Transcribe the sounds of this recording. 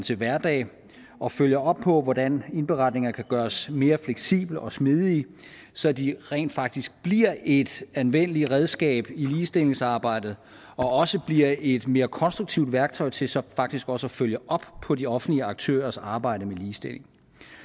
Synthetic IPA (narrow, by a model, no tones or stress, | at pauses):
t͡sʰe̝ʋæɐd̥ɛ̰ːɪ | ʔɒ̽føljɐʔɒ̽b̥̚pʰɒ̽ʋɒdæne̝nb̥eʁɑ̈d̥ne̝ŋɐkʰæɡ̥ɶːɐsme̝ːɐfleɡ̥sḭːb̥l̩ɒ̽smiðˠi | sɒ̽æd̥iʁɛ̰ɪ̰nd̥fɑ̈ɡ̥̚d̥isɡ̥̚b̥liɐ̰e̝d̥ænʋen̰əliʁɛð̞ˠsɡ̥ɛ̰ːb̥iliːsd̥e̝le̝ŋsɑ̈ːb̥ɑ̈ɪ̰d̥ð̩ˠ | ɒ̽ɒ̽səb̥liɐ̰e̝d̥me̝ːɐkʰɒ̽nsd̥ʁuɡ̥̚t͡sʰiʊd̥ʋæɐɡ̥̚t͡sʰɒ̽ɪt͡sʰe̝sɒ̽fɑ̈ɡ̥̚d̥isɡ̥ɒ̽səɒføljəʔɒ̽b̥pʰɒ̽diɒ̽fn̩dliəɑ̈ɡ̥̚t͡sʰø̰ːɐsɑ̈ːb̥ɑ̈ɪ̰d̥əmeliːsd̥e̝lʔe̝ŋ